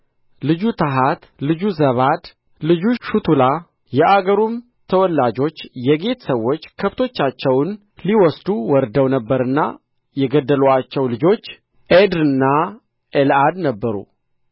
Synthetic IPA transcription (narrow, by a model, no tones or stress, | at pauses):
lɨd͡ʒut̪ʰəɦat̪lɨd͡ʒuzəβad̪ | lɨd͡ʒuʃut̪ʰula | jɛʔaɡəɾum | t̪ʰəwɔlːad͡ʒo̞t͡ʃːjɛɡe̞t̪ʰə̥səwːo̞t͡ʃːkʰəβt̪ʰo̞t͡ʃːat͡ʃːɛwn | liwɔsd̪uwɔɾd̪əwnəbːəɾɨnːa̰ | jɛɡəd̪ːəluat͡ʃːɛwlɨd͡ʒo̞t͡ʃː | ʔed̪ɨnːa | ʔelad̪nəbːəɾṵ